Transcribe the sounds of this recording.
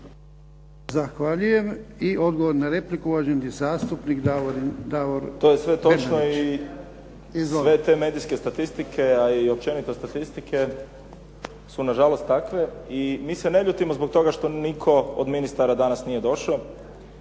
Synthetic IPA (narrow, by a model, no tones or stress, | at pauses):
zaxʋaʎuje̞miʔo̞d̪ɡoʋoɾnaɾe̞plikuʋaʒend̪izaːst̪upnikd̪aʋoɾt̪oːjesʋet̪ot͡ʃnoii | izsoʋet̪eme̞ːd̪iske̞st̪at̪ist̪ikʰe̞aiop̚t͡ʃe̞nit̪ost̪at̪ist̪ikʰe̞ | sunaʒalo̞st̪ːakʋe̞imiːseneʎut̪imozbok̚t̪o̞ɡaʃt̪o̞nikʰo̞od̪minist̪aɾad̪anasnije̞d̪o̞ʃao